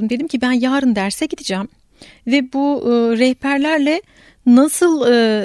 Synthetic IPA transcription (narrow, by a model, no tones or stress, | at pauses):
umd̪e̞d̪imcʰibænjaːɾɯnd̪æɾsɛɟid̪id͡ʒaːm | vɛbuɾɛhpʰæɾlʲæɾlʲɛ | nasɯlˠɯ